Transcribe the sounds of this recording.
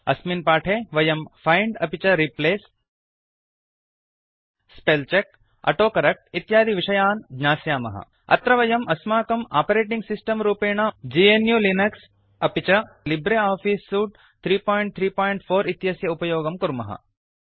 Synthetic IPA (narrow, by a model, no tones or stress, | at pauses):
ɐsminpaːʈʰeːʋɐjɐmfajɳɖɐpit͡ʃɐɾipleːs | pelt͡ʃek̚ | ɐ̰ʈoːkɐɾɐk̚ʈit̪jaːd̪ʱiʋiʃɐjaːnɡɲaːsjaːmɐ̰ɦɐ̰ | ɐ̰t̪ɾɐʋɐjɐmʔɐsmaːkɐma̰ːpɐɾeːʈiŋɡsisʈɐmɾuːpeːɳ̃ad͡ʒiːenjuːlinɐks | ɐpit͡ʃɐlibɾeaːfiːsːuːʈ | t̪ʰɾiːpoːjɳʈ̚t̪ʰɾiːpoːjɳʈfʰoːɾit̪jɐsjɐupɐjoːɡɐmkuɾmɐɦɐ̰